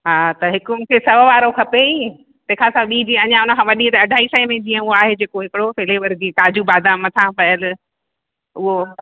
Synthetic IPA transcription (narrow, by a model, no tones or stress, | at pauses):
ɦaːt̪ɐɦɪkʊmkʰesɐʋʋaːɾokʰɐpei | t̪ɐkʰãsãɓiːd͡ʑiɐɲãʊnə̆kʰãːʋɐɗit̪ɐɐɖʱaːisəimẽd͡ʑiːə̃ʊɦoaːɦed͡ʑeːkoɦɪkɪɽofeleːʋəɾd͡ʑiːkaːd͡ʑubaːd̪ʱãmɐt̪ʰãpɐjəl | ʊɦo